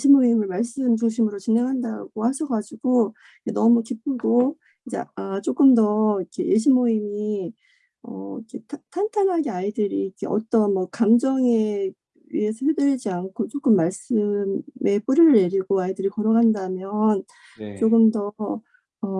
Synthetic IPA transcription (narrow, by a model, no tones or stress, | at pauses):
eɕʰimoimɯɭmaɭs͈ɯmd͡ʑuŋɕ̬ʰimɯɾot͡ɕine̞ŋɦanda̰ɡ̥ohaɕʰʌɡad͡ʑiɡ̥o | enʌmukip͈̚ɯɡo | ind͡ʑe̞̰at͡ɕ͈ok͈ɯmdʌikʰe̞̰jeɕ̬ʰimoimi | ʌ̰ikʰe̞tʰtʰantʰanɦaɡeaidɯɾiːkʰe̞ʌ̰t͈ʌnmʌkamd͡ʑʌŋe̞ | iesʰʌɦedɯɾid͡ʑiankʰot͡ɕ͈ok͈ɯmːaɭs͈ɯmme̞p͈uɾɯɾɯɭe̞ɾiɡoaidɯɾikʌɾʌɡandamjʌn | t͡ɕ͈okɯmdʌ | ʌ